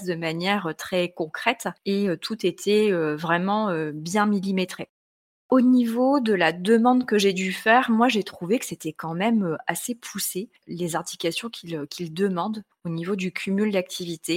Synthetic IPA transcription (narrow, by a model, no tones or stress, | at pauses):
d̪əmanjɛʁøt̪χɛkɔ̃kχɛt̪eøt̪ʰut̪et̪ʰɛøvʁɛmɑ̃øbjɛ̃milimet̪χe | onivod̪əlad̪əmɑ̃d̪kəʒed̪yfɛʁmwaʒet̪χuvekə̥set̪ɛkɑ̃mɛmøasepʰuse | lezɛ̃t̪ikasjɔ̃kʲʰilkʲʰild̪əmɑ̃d̪ | onivod̪ykʲʰymyld̪ak̚t̪ʰivit̪e